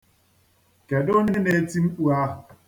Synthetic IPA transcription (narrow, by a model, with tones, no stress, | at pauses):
kɛ˨do˦ne˦ne˨˦ti˦m̩˦k͡pu˦a˦˨